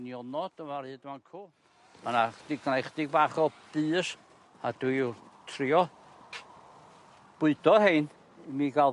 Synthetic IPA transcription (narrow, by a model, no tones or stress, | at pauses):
njɔnɔd̥əmarhɨːdmankʰuː | manaχd̥iɡnajχdɪɡ̚baːχɔd̥ɨːs | adwitʰriɔ | b̥ʊɨd̥ɔhejn | imiːɡa